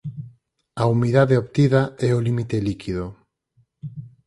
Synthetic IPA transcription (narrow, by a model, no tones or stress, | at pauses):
ɐumiðaðeoβt̪iðɐɛolimit̪elikʰið̞o